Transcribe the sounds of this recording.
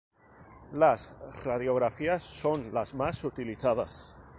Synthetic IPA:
lasraðjoɣ̞ɾafiasːonlazmasut̪iliθaða̰s

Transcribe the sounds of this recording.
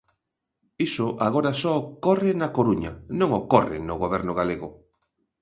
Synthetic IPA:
isʊʔaɣoɾasɔokɔrɪnakoɾuɲɐ̰nõŋokɔrɪ̰nʊɣoβ̞ɛɾnʊɣ̞aleɣʊ

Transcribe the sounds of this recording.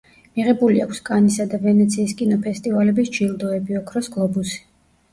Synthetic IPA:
miʁɛbulia̰kʰskʼanisad̪avɛnɛt̪sʰiːskʼinɔpʰɛst̪ʼivalɛbisd͡ʒild̪ɔɛbiɔkʰɾɔsɡlˠɔbusi̥

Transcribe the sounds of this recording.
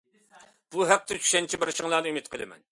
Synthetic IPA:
b̥uɦæq̚t̪ʰɛt͡ʃʰy̥ʃɛnt͡ʃʰibɪɾʃəŋlˠɑːnɨymɪt̪qʰəlˠɨmɛ̰n

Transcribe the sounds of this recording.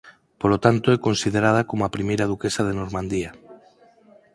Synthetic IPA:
polot̪ant̪oɛkonsið̞eɾað̞akomoapɾimejɾaðukesað̞enoɾmãnd̪ia

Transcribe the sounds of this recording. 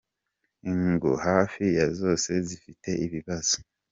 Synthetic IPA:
iŋɡṵhaːfijazo̞ːse̞zifitʰe̞iβiβaz̥o̥

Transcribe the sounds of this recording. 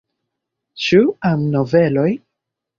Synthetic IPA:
t͡ʃuamnovelo̞j

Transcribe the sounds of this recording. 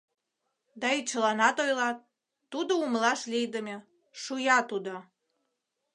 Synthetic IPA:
d̪ɑit͡ɕəlɑnɑt̪ojlɑt̪̚ː | ud̪oumlɑʃlʲijd̪əmʲe | ʃujɑt̪ud̪o

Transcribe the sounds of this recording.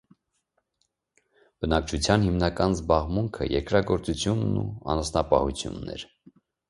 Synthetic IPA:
b̥ənɑk̚t͡ʃʰut͡sʰjɑnhimnɑkɑnzbɑʁmuŋkʰə̰jɛɾkɾɑɡɔɾt͡sut͡sʰjunːṵɑ̰nɔsnɑpɑhut͡sʰjṵnːɛ̰ɾ

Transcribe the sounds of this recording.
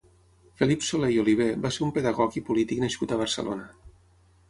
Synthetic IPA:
felipsolejoliβ̞ebaseɾumpeðəɣɔɣipulit̪iknəʃkut̪əβ̞əɾsə̰lʔo̰nə

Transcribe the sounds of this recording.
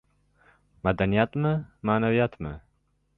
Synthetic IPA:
mad̪anijat̪məmaːnaviat̪mə̰

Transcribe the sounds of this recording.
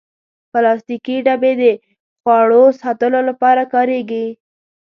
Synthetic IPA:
pəlɑst̪ikiɖabed̪ə | xwɑɽosɑt̪əlolapɑɾakɑɾeɡi

